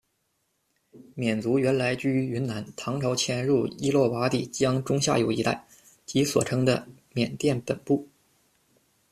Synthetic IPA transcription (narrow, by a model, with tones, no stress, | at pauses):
mjɛ˨˩nt͡su˧˥ɥɛ˧˥nla˧˥ɪt͡ɕy˥y˧˥y˧˥nna˧˥nt̪ʰɑ˧˥ŋʈ͡ʂʰɑ˧˥ʊt͡ɕʰjɛ˧˥nɻu˥˩i˥lwɔ˥˩wa˧˥t̪i˨˩t͡ɕjɑ˥ŋʈ͡ʂʊ˥ŋɕja̰˥˩jo˨˩ʊi˧˥t̪a̰˥˩ɪ | t͡ɕi˧˥swɔ̰˨˩ʈ͡ʂʰɤ˥ŋd̪ə̰˧mjɛ˨˩nt̪jɛ˥˩npə˨˩npu˥˩